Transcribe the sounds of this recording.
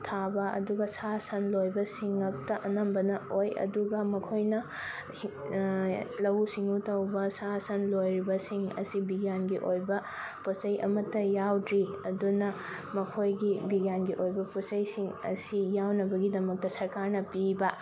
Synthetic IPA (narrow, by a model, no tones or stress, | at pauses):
tʰabɐʔɐ̰duɡɐsasɐnlojbɐsiŋɐk̚tɐʔɐnɐmbɐnɐojɐ̰duɡɐmɐkʰojnɐ | lɐwsiŋutɐwbɐsasɐnlojɾibɐsiŋɐ̰sibiɡjanɡiʔojbɐ | pot͡ʃɐjʔɐ̰mɐtːɐjawdɾiɐdunɐ | mɐkʰojɡibiɡjanɡiʔojbɐposɐjsiŋɐ̰sijawnɐbɐɡidɐmɐk̚tɐsɐɾkaɾnɐpibɐ